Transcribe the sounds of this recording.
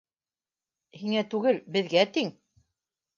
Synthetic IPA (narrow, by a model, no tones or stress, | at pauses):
hiŋæt̪ʉɡɘlbɘ̆ðɡæt̪iŋ